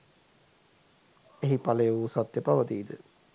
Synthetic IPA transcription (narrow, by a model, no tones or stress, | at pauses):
eɦipaleuːsat̪ːepaʋət̪iːd̪ə